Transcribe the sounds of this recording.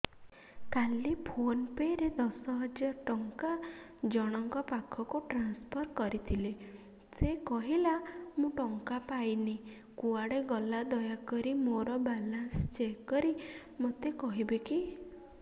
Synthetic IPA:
kalipʰonpeɾed̪ɔsɔɦɔd͡ʒaɾɔʈɔŋkad͡ʒɔɽ̃ɔŋkɔpakʰɔkuʈɾanspʰɔɾkɔɾit̪ʰile | sekɔɦilamũʈɔŋkapajni | kuaɽeɡɔlad̪ɔjakɔɾimoɾɔbalanst͡ʃekːɔɾi | mot̪ekɔɦibeki

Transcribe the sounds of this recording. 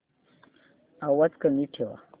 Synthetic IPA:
awat̪kaniʈʰewa̰

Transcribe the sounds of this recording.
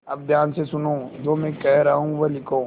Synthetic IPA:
ɐb̚d̪ʱjaːnsesʊnoːd͡ʒoːmɛ̃kɛɦɾɐɦũʋɐlɪkõː

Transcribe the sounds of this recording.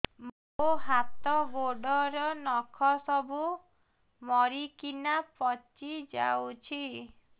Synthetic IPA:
moɦat̪ɔɡoɖɔɾɔnɔkʰɔsɔbu | mɔɾikinapɔt͡ʃid͡ʒa̰wt͡ʃʰi

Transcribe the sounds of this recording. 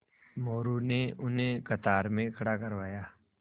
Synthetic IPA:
moːɾuneʊnɦẽkɐt̪aːɾmẽkʰɐɽakɐɾʋaːjaː

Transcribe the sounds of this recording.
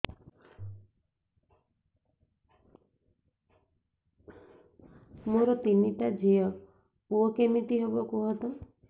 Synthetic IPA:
moɾɔt̪iniʈad͡ʒiɔ | uɔkemiʈiɦebɔkuɦɔt̪ɔ

